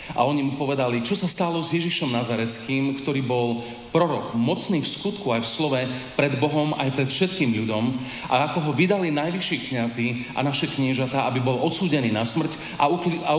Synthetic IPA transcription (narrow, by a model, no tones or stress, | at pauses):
ʔa̰ɔɲimupɔʋɛd̪alit͡ʃɔsast̪alɔzjɛʒiʃɔmnazaɾɛt͡skiːmkt̪ɔɾiːbɔl | pɾɔɾɔkmɔt͡sniːfskut̪kuajfslɔʋɛ | pɾɛd̪bɔɦɔmʔa̰jpɾɛt̪fʃɛt̪kiːmʎudɔm | ʔa̰akɔɦɔʋid̪alinajʋiʃiːkɲaziːʔa̰naʃɛkɲɪɛʒat̪aːʔabibɔlɔt̪t͡suːɟɛniːnasmr̩c | a̰ua